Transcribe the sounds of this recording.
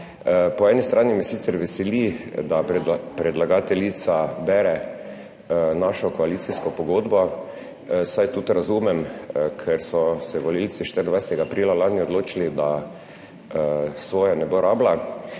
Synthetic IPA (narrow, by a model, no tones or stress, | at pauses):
pɔɛnist̪ɾʔaːnimɛsit̪sɛɾʋɛsɛlid̪apɾɛd̪laɡaːt̪ɛlit̪sabɛɾɛ | naʃɔkɔaliːt̪siskɔpɔɡoːd̪bɔ | sajt̪ut̪ɾazumɛmkʰɛɾsɔsɛʋɔlilt̪siʃt̪əɾnd̪ajsɛt̪ɛɡaːpɾiːlalaːniɔd̪loːt͡ʃilid̪a | sʋoːjanɛboɾʔaːbla